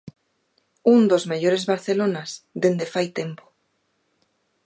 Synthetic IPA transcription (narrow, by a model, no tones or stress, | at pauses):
und̪ozmeʎoɾezβaɾθelonazðend̪efajt̪empo̥